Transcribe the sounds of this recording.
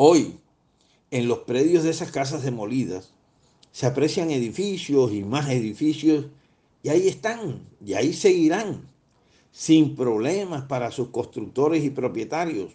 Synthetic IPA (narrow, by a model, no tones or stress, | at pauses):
o̞j | e̞nlo̞spɾe̞ðjo̞zðe̞saskas̬azðe̞mo̞liðasː | eapɾe̞sjaŋe̞ðifisjo̞simase̞ðifisjo̞s | iaie̞st̪aŋia̰ise̞ɣiɾaŋ | simpɾo̞βle̞maspaɾasusko̞st̪ɾuk̚t̪o̞ɾe̞sipɾo̞pje̞t̪aɾjo̞s